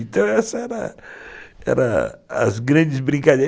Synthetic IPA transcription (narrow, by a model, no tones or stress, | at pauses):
t̪ɐ̃w̃ɛsɐɛɾɐ̰ | ɛ̰ɾɐɐ̰zɡɾɐ̃d͡ʒɪzbɾĩkad̪e